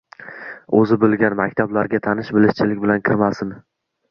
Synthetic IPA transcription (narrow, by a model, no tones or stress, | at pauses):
ɵzɪbolˠɡʲanmakʲt̪ʰablaɾɡʲat̪ʰanɪʃbɪlɪʃt͡ʃʰɪlɪk̚ʲbɪlankʲʰɪɾmasɪn